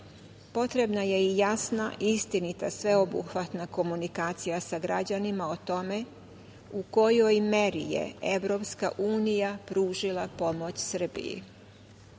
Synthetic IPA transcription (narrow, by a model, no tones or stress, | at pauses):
po̞t̪ɾe̞bnaje̞ijasnaʔist̪init̪asʋe̞o̞bṵxʋat̪nako̞munikaːt̪sijasaɡɾad͡ʑanimao̞t̪o̞me̞ | uko̞jo̞jme̞ɾijḛeʋɾo̞pska̰ʔuːnijapɾuːʒilˠapo̞mo̞t͡ɕsr̩bḭjḭ